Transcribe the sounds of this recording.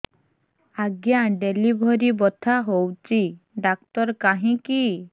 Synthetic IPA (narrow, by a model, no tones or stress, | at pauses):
aɡjaɖelibʱɔɾibɔt̪ʰaɦowt͡ʃi | ɖak̚t̪ɔɾkaɦĩki